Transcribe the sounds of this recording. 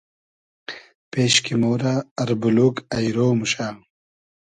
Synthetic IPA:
peːɕkimoːɾaːɾbuluːkɐjɾoːmuɕaː

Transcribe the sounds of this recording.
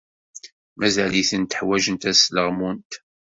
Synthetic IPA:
mæzæliθənt̪əħwæʒənt̪æsləʁmunt̪

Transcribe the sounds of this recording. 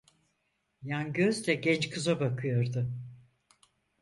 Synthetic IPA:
janɟøzd̪ɛɟɛnt͡ʃkʰɯzabakʰɯjo̞ɾd̪ʊ

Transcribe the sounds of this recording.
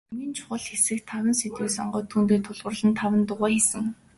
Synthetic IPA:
miːnt͡ɕʰʊ̥χə̆ɮxesɘ̆kt̪ʰawə̆nset̪wiːsɔ̰ɴɢœːt̪ʰːuːnt̪eːt̪ʰʊɮʁə̆rɮə̆nt̪ʰawə̆nt̪ʊʁæːxesɘ̆ŋ

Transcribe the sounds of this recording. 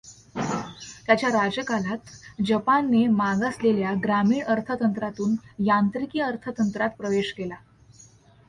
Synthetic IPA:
t̪jat͡ɕjaɾad͡ʑjəkalat̪d͡ʑəpanːemaɡasleljaɡɾamiːɳəɾt̪ʰət̪ənt̪ɾat̪uːnjant̪ɾikiːəɾt̪ʰət̪ənt̪ɾat̪̚pɾəʋeɕkela

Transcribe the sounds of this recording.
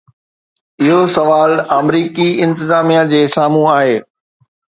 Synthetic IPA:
ɪɦosɐʋaːlamɾiːkiɪ̃nt̪ɪzaːmijad͡ʑeːsaːmũaːɦeː

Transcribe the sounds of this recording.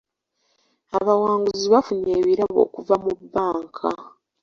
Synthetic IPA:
aβawaːŋɡuziβafuɲeːβiɾaβo̞̰ːkuvamubːaːŋkʰa̰

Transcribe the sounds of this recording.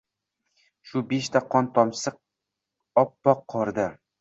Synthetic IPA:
ʃʊbeʃt̪ʰaqʰɒnt̪ʰɒmsɨq̚ | ɒpːɒqʰːɒɾd̪ɪ

